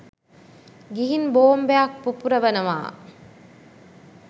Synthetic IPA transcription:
ɡiɦinboːmbeak̚pupuɾəʋɐnɐʋa̰ː

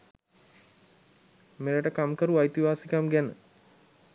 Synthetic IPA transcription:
meləʈəkamkəɾuajt̪iʋaːsikamɡænə

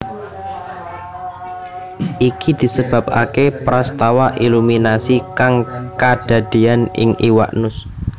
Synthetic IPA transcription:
ʔikid̪̥i̤səb̥a̤p̚akepɾast̪awaʔiluminasikaŋkad̥a̤d̪̥ianɪ̰ŋiwa̰ʔnʊs

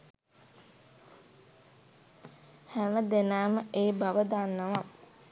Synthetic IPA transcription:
hæməd̪enaːməʔeːbaʋəd̪aːnːəʋa

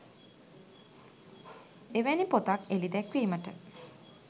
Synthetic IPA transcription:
eʋenipot̪akelid̪ɛkʋiːməʈə

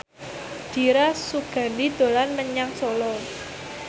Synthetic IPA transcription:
d̪̥i̤ɾasuɡ̥a̤ndid̪̥o̤lanməɲaŋsolɔ

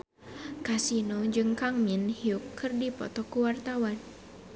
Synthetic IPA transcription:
kasinod͡ʒɨŋkaŋminhiukʰːɨrdipɔ̰t̪ɔkuwart̪awan

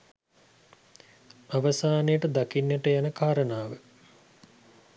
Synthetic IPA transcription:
aʋɐsaːnejəʈəd̪akinːjeʈəjanəkaːɾənaːʋə

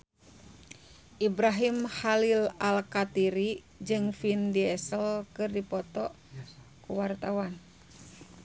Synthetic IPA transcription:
ʔibɾaɦimhalilalkat̪iɾi | d͡ʒɨŋfindiɛsəlkɨrdipɔt̪ɔ | kuwart̪awan

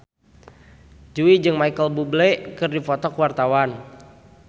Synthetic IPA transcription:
d͡ʒuid͡ʒɨŋmaikəlbublɛkɨrdifɔt̪ɔkəwart̪awan

